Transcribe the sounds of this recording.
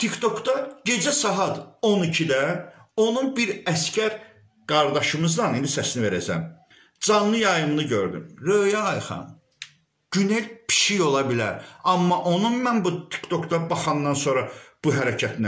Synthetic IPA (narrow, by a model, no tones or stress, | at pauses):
t̪ʰikt̪ʰo̞kd̪ɑɟe̞d͡ʒæsɑɦɑd̪o̞nicʰid̪æ | o̞nunbiɾæscæɾ | ɡ̥ɑɾd̪ɑʃɯmɯzd̪ɑnind̪isæsnive̞ɾæd͡ʒæ̰m | d͡ʒɑnlːˠɯjɑjɯmlˠɯɟø̞ɾd̪y̰mɾøːjɑːjχɑ̰m | ɟ̥yne̞lʲpʰi̥ʃijo̞lˠɑbilæ̰ɾɑmːɑʔo̞nunmænbut̪ʰi̥kt̪ʰo̞kd̪ɑbɑχɑnːɑnso̞nɾɑb̥uɦæɾæcʰæt̪næ